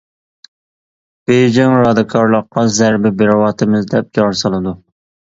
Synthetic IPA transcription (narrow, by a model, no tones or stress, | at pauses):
b̥ejd͡ʒɛŋɾɑːd̪ɪkʰɑɾlˠəqːɑzæɾbɪbɪɾɑwɑt̪ʰɪmɪzd̪ɛp̚d͡ʒɑɾsɑlˠɨd̪u